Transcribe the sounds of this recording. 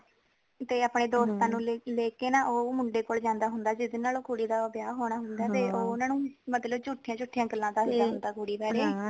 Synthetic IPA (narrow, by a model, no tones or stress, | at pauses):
t̪eːaːpɳeːd̪oːst̪ãːnũːlleːkeːnaːʔoːmʊɳɖeːkoːld͡ʒãːnd̪aːɦʊnd̪aːd͡ʒɪd̪eːnaːloːkuːɽiːd̪aːəbjaːɦoːɳaːɦʊnd̪aːt̪eːʔoːʊnãːnũːmət̪ləbt͡ʃʊʈʰːijãːt͡ʃʊʈʰːijãːɡəlːãːd̪aːɦd̪aːɦʊnd̪aːkuːɽiːbaːɾeː